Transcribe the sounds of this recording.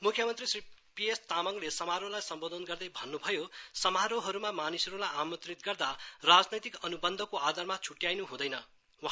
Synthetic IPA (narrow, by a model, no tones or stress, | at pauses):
mukʰjʌmʌnt̪risripijest̪amʌŋlesʌmaɾolajsʌmbod̪ʱʌnɡʌrd̪ʌjbʱʌnːubʱʌjosʌmaɾoɦʌɾumamanisʌɾulajamʌt̪rit̪̚ɡʌrd̪arad͡znʌjt̪ikʌnubʌnd̪ʱʌkoad̪ʱarmat͡sʰuʈjajnuɦũd̪ʌjnʌ | wa